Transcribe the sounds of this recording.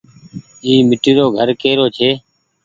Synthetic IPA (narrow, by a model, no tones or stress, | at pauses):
iːmɪʈiːɾoːɡʱəɾkeːɾoːt͡ʃʰeː